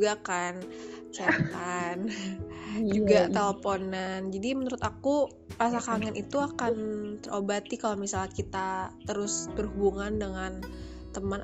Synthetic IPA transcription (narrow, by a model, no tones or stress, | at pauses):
ɡakant͡ʃat̪an | d͡ʒuɡat̪eləfonand͡ʒadimənuɾʊt̪aku | pɾasakaŋanʔit̪uakant̪ərʔobat̪ikalomisalakit̪at̪əɾʊsbərɦubuŋandəŋan | t̪əmən